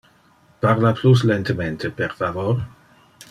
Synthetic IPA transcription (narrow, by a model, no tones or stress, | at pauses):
parlaplus̬lent̪ement̪eperfavor